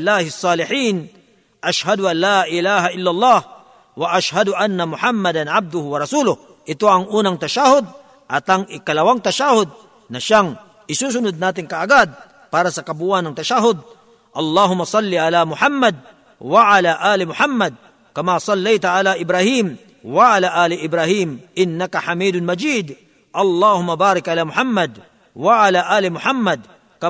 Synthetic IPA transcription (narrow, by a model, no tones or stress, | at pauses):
lːaːhɪsˤːɑːlɪħiːn | ʔaʃhad̪ʊʔanlaːʔɪlaːhaʔɪlːalˤːɑːh | wɐʔaʃhad̪ʊʔanːɐmʊħamːɐd̪ɐnʕab̚d̪ʊhʊwɐɾɑsuːlʊh | ʔɪt̪oɐŋʔuːnɐŋt̪ɐʃahʊd̪̚ | ʔɐt̪ɐŋʔɪkɐlɐwaŋt̪ɐʃahʊd̪̚ | nɐʃaŋ | ʔɪsuːs̬ʊnʊd̪̚naːt̪̬ɪŋkaʔaɡad̪̚ | paːɾasɐkɐbuːʔanɐŋt̪ɐʃaɦʊd̪̚ | ʔɐlːɑːɦʊmːɐsˤɑlːiʔalamʊħamːɐd̪̚ | waʔalaʔaːlɪmʊħamːɐd̪̚ | kɐmasˤɑlːɛjt̪aʔalaʔɪbɾahim | waʔalaʔaːlɪʔɪbɾahimʔɪnːɐkɐħamiːd̪ʊnmɐd͡ʒiːd̪ | ʔɐlːaːhʊmːabaːɾɪkʔalaːmʊħamːɐd̪ | waʔalaʔaːlɪmʊħamːɐd̪̚ | kɐ